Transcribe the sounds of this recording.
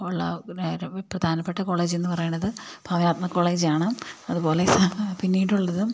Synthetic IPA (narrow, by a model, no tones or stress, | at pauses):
uɭːɐ̰ | prɐd̪ʱaːnɐpːe̞ʈːɐko̞ːɭeːd͡ʑenːɨpɐrɐjuɳːɐðɨbʱaːʋɐnaːt̪̚mɐkːo̞ːɭeːd͡ʑaːɳɨmɐðupo̞ːle̞sapinːiːʈːuɭːɐðɨ